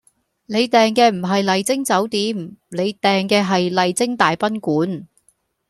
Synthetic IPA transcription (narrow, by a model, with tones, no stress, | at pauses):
ne˨˧jt̪ɛː˨ŋkɛː˧m̩˨˩ɦɐ˨jlɐ˨jt͡sɪ˥ŋt͡sɐ˨˥wt̪iː˨˥mne˨˧jt̪ɛː˨ŋkɛː˧ɦɐ˨jlɐ˨jt͡sɪ˥ŋt̪aː˨jpɐ˥nkuː˨˥n